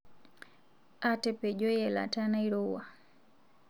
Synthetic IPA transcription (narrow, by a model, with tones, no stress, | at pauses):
a˦tɛpɛ˨ʄɔ˦jɛla̰˨ta˦na˦iɾu˦wa˨